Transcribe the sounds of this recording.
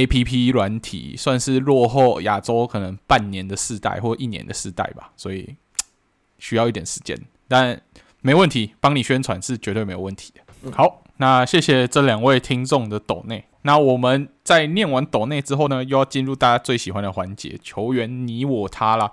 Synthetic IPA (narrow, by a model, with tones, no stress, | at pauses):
e˥ɪpʰi˦˥pʰi˥lwa˧˦nt̪ʰḭ˨˩swa˥˧nʂɻ̩˥˧ɻwɔ˥˧xo˥˩ʊja˨˩ʈ͡ʂo˥ʊkʰɤ˨˩nə˧˦ŋpa˥˩nnjɛ˧˦nd̪ə˨ʂɻ̩˥˧t̪a̰˥˩ɪxwɔ˥˩˦i˥˩njɛ̰˧˦nd̪ə˨ʂɻ̩˥˧t̪a̰˥˩ɪba̰˨˩swɔ˧˥i˨˩ | ɕy˥jʊi˥˩t̪jɛ˨˩nʂɻ̩˧˩t͡ɕjɛ̰˥˧n | t̪a˥˧n | me˧˥o˧wə˥˩nt̪ʰi˨˦pɑ˥ŋni˨˩ɕɥɛ˥nt͡sʰwa˧˦nʂɻ̩˥˩t͡ɕɥɛ˧˥t̪we˥˩me˧˥o˨˩wə˥˩nt̪ʰi̥˧˥d̥̪ə˦xɑ˨˦ʊ | na˥˨ɕjɛ˥˩ɕjɛ˨˩ʈ͡ʂɤ˥˩ljɑ˨˩ŋwe˥˩ɪt̪ʰi˥ŋt͡sʊ˥˩ŋd̪ə˩t̪o˨˩ŋne˥˩ɪna˥˩wɔ˨˩mə˨˦nt͡sa˥˧ɪnjɛ˥˩nwa˧˦nt̪o˨˩ŋne˥˩ɪʈ͡ʂɻ̩˥xo˥˩ʊnə˩jo˥˧jɑ˥˧ʊt͡ɕi˥˧nɻu˥˧t̪a˥˩t͡ɕja˦˥t͡swe˥˩ɪɕi˨˩xwa˦nd̪ə˨xwa˧˦nt͡ɕjɛ̰˧˦t͡ɕʰjo˧˥ʊɥɛ˧˥nni˧˥wɔ˨˩t̪ʰa˦lə˨